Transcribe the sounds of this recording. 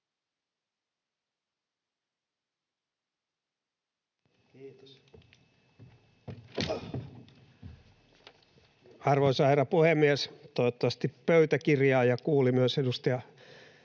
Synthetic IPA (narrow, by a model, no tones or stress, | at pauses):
kiːt̪os | ɑrʋoisɑheɾɑpuhemːiest̪oot̪ːɑʋɑst̪ippøyt̪ækirjɑːjɑkuːlimyøsedust̪ɑjɑ